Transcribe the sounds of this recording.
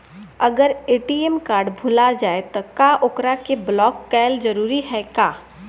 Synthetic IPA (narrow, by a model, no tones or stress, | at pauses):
ɐɡəɾeːʈiemkaːɾɖbʱʊlad͡ʒaːet̪okaʔʊkɾakeblɔːkːɛːld͡ʒɐɾuːɾiɦɛkaː